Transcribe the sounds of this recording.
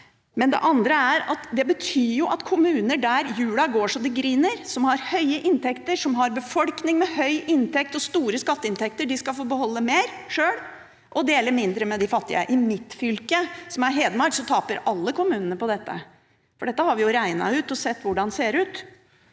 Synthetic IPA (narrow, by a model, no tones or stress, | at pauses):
mɛnd̪ɛ̰ʔɑnd̪ɾəæɾɑt̪d̪ɛbət̪ʰyːɾjʊʔɑt̪kʰʊmʉːnəɖæɾjʉːlɑɡoːʂɔmd̪ɪɡɾiːnəɾsɔmhɑɾhœʏəʔɪnt̪ʰɛkt̪əɾʂɔmɦɑɾbəfɔlknɪŋmɛhœʏʔɪnt̪ɛk̚t̪ɔst̪uːɾəskɑt̪ːəɪnt̪ʰɛk̚t̪əɖɪskɑfoːbəɦɔlːəmeːɾʂøːɽ | ʔɔd̪eːləɾmɪnd̪ɾəmɛd̪ɪfɑt̪ːɪ̰ə̰ʔɪmɪt̪ːfʏlkəsɔmæɾɦeːd̪mɑɾsɔt̪ʰɑːpəɾɑlːəkʰʊmʉːnənəpɔd̪ɛt̪ːə̰ | fɔɖɛt̪ːəhɑɾʋɪjʊɾæɪnɑ̰ʉːt̪ɔsɛt̪ːʋʊɖɑnseːɾʉːt̪